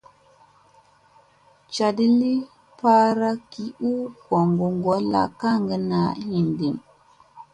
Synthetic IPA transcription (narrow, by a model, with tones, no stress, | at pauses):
t͡ʃa˨di˦li˦ | pa˦ɾa˦ki˨ʔu˦ko˨ŋɡu˨ŋɡo˨˦la̰˨ka˦ŋɡə˨na˨hi˨ndi˨m